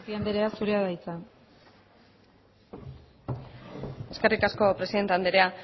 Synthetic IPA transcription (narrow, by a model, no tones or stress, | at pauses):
piand̪eɾe̞asuɾe̞aðajt͡sa | e̞ske̞rik̪asko̞pɾe̞siðe̞nt̪eand̪eɾe̞a